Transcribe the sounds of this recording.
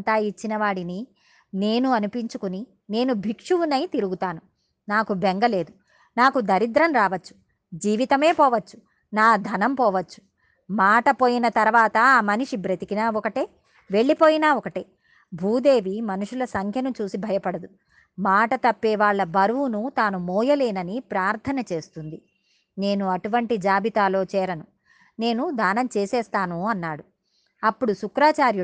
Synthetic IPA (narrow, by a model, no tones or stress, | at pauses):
t̪aːit͡ʃːinɐʋaːɽini | ne̞ːnuɐnupiɲt͡ʃukuni | ne̞ːnubʱikʂuʋunɐjt̪iɾuɡut̪aːnu | naːkubeŋɡɐle̞ːd̪u | naːkud̪ʱɐɾid̪ɾɐmɾaːʋɐt͡ʃːu̥ | d͡ʒiːʋit̪ɐme̞ːpɔːʋɐt͡ʃːu̥ | naːd̪ʱɐnɐmpɔːʋɐt͡ʃːu̥ | maːʈɐpoːjinɐt̪ɐɾʋaːt̪ɐːmɐniʂibɾɐt̪ikinaːɔkɐʈeː | ʋe̞ɭːipo̞ːjinaːɔkɐʈe | bʱuːd̪e̞ːʋimɐnuʂulɐsɐŋkʰjɐnut͡ʃuːsibʱɐjɐpɐɽɐd̪u | maːʈɐt̪ɐpːɛːʋaːɭːɐbɐɾuʋunut̪aːnumɔːjɐleːnɐnipɾaːɾt̪ʰɐnɐt͡ʃe̞ːst̪und̪i | ne̞ːnuɐʈuʋɐɳʈid͡ʒaːbit̪aːlo̞ːt͡ʃɛːɾɐnu | ne̞ːnud̪ʱaːnɐmt͡ʃeːsɛːst̪aːnuɐnːaːɽu | ɐpːuɽusukɾaːt͡ʃaːɾju